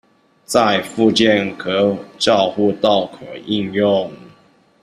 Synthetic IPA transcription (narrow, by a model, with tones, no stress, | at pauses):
t͡sa˥˧ɪfu˥˧t͡ɕjɛ˥˨nkʰɤ˧˥t͡ɕjɑ˥˧ʊxu˥˧t̪ɑ˥˨ʊkʰo˨˩ʔi˥˧njʊ˥˨ŋ